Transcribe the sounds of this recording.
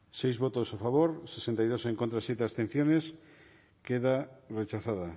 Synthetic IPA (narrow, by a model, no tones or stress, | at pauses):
sejzβot̪osafaβoɾsesẽnt̪ajð̞oseŋkõnt̪ɾasjet̪east̪ẽn̟θjones | keðaret͡ʃaθaða